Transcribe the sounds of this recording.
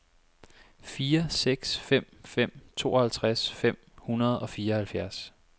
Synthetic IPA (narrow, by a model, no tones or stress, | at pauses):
fiːɐseɡ̥sfem̰fem̰t͡sʰo̝̰ːɒhælt͡sʰʁasfem̰hunɐð̞ˠɒ̽fiːɐɒhælfjæɐs